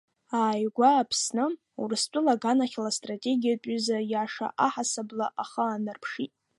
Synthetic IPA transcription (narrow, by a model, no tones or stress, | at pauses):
aːjɡʷaːpʰsnɨ | ṵrɨst͡pʼʊlaɡanaχʲlastʼratʼe̞ɡʲijat͡pʷʼʏzajaʂa̰ʔaħasablaʔaχaːnɨrpʰʂitʼ